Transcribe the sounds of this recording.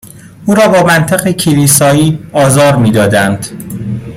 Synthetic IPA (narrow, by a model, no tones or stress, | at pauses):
ʔuːɾɒːbɒːmænt̪ʰeɣecʰiliːsɒːiːɒːzɒːɾmiːd̪ɒːd̪ænd̪